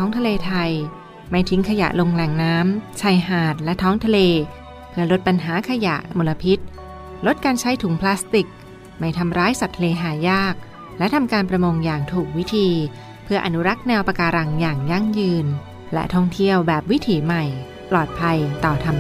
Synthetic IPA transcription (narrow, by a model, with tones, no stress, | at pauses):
ɔː˦˥ŋt̪ʰa˧leː˧t̪ʰa˧j | ma˥˩jt̪ʰi˨˦˥ŋkʰa˧ja̰˨˩ʔlo˧ŋlɛː˨˩ŋnaː˦˥mt͡ɕʰa˧˩jɦaː˨˩t̪̚lɛ˦˥t̪ʰɔː˦˥ŋt̪ʰa˧leː˧ | pʰɯ˧˩ɐlo˦˥t̪̚pa˧nɦaː˩˦kʰa˧ja̰˨˩ʔmo˧la˧pʰi˦˥t̪̚ | lo˦˥t̪̚kaː˧nt͡ɕʰa˦˥jt̪ʰu˨˩˦ŋpʰlaː˦˥st̪i˨˩k̚ | ma˧˩jt̪ʰa˧mɾaː˦˥jsa˨˩t̪ʰːa˧leː˧ɦaː˨˩jaː˥˩k̚ | lɛ˦˥ʔt̪ʰa˧mkaː˧npɾa˧mo˧ŋjaː˨˩ŋt̪ʰuː˨˩k̚wi˦˥t̪ʰiː˧ | pʰɯ˧ɐʔa˧nu˦˥ɾa˦˥k̚nɛː˧wpa˧kaː˧ɾa˧˩ŋjaː˨˩ŋja˥˩ŋjɯː˧n | lɛ̰˦˥t̪ʰɔ˥˩ŋt̪ʰi˥˩əwbɛː˨˩p̚wi˦˥t̪ʰiː˩˦ma˨˩j | plɔː˨˩t̪̚pʰa˧jt̪ɔː˨˩t̪ʰa˧m